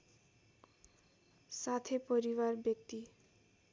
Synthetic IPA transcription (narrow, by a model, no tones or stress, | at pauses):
sat̪ʰepʌɾiwarbjʌk̚t̪i